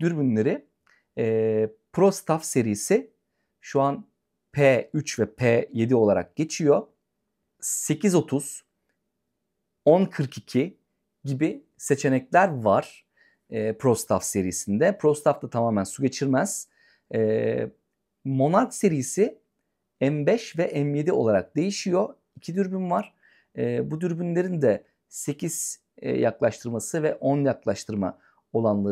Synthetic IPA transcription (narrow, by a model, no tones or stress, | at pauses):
d̪̥yɾbynlʲe̞ɾɪ | ɛːpʰɾo̞st̪ʰafse̞ɾijisɪ | ʃuan | pʰeːyt͡ʃvɛpʰeje̞d̪io̞lˠaɾa̰k̚ɟ̥e̞t͡ʃʰijo̞ | se̞cʰizo̞t̪ʰuz̥ | onkʰɯɾkicʰi | ɟibi | se̞t͡ʃʰe̞nɛclʲæɾvaɾ̥ː | pʰɾost̪ʰafse̞ɾijisind̪ɛpɾo̞st̪ʰaft̪ʰat̪ʰamaːmænsuɟe̞t͡ʃʰiɾmɛz̥ | ɛː | mo̞naɾkse̞ɾijːsi | ɛnbɛʃvɛʔɛnje̞d̪io̞lˠaɾak̚d̪e̞jiʃijo̞ | icʰid̪yɾbynvaɾ̥ | ɛːbud̪yɾbynlʲe̞ɾind̪ɛ | se̞cʰiz̥̰ | jaklˠaʃt̪ʰɯɾmasɯvɛʔo̞njaklˠaʃt̪ʰɯɾma̰ | o̞lˠanlˠa